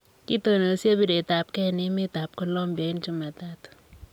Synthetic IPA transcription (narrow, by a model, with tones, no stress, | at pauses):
ki˦to˨no˨˦se˦bi˦de˨ta˨p̚kɛ˦nɪ˦mi˦ta˨p̚ko˦lɔ˦mbjɔ˨˦i˦nt͡ʃu˦ma˨ta˦t